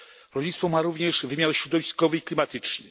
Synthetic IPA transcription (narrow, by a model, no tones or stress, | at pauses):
ɾɔlʲɲit̪sfɔmaɾuvɲɛʂvɘmʲjaɾɕɾɔd̪ɔvʲiskɔvɘiklʲimat̪ɘt͡ʂnɘ